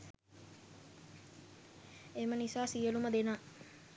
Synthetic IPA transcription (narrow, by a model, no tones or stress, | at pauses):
emənisaːsijəluməd̪enaː